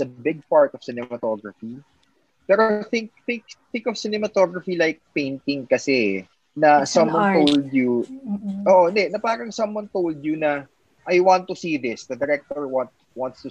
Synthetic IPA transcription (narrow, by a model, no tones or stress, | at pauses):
sɐbɪɡ̚paɹt̪ɔv̥sɪnɛmɐt̪oɡɹɐfi | pɛɾooθɪ̃ŋk̚θɪ̃ŋkθɪ̃ŋkɔv̥sɪnɛmɐt̪oɡɹɐfilajk̚pẽjnt̪ɪ̃ŋkɐsɛ | nɐsɐmwɐ̃nt̪old̪ju | ʔoːʔoɪnd̪ɛnɐpaːɾɐŋsɐmwɐ̃nt̪owld̪jʊnɐ | ʔɐjwãnt̪ːʊsiðɪsd̪ɐd̪ɛɾɛk̚t̪ɔɹwãnt̪ | wãnt̪st̪u